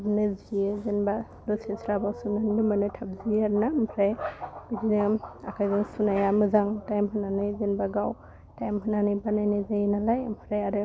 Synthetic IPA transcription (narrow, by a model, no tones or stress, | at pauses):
bnɯzijezenba | lɔsesɾabawsunandɯmanɯtʰab̚zieaɾnampʰɾajbidinɯa̰kʰajzaŋsunajamɯzaŋtajmɦɯnanajzenbaɡaw | tajmɦɯnanɯjbanajnazajnalajmpʰɾajaɾɯ